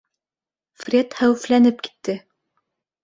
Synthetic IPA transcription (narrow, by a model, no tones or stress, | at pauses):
frʲet̪hæwɘ̆flænɘp̚ki̥t̪ːɘ